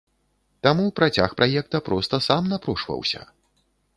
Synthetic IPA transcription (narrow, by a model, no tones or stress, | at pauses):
t̪amupɾat͡sʲaxpɾʔajɛkt̪ɐpɾɔst̪ɐsamnapɾuʂvɐ̰wsʲɐ̰